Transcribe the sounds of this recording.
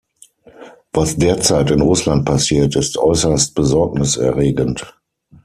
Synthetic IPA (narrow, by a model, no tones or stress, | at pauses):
vasd̥eːɐt͡saɪtɪnʁʊslant̚pʰasiːɐtɪstʔɔʏsɐst̚b̥əzɔɐk̚nɪsɛ̰ɐʁeːɡənt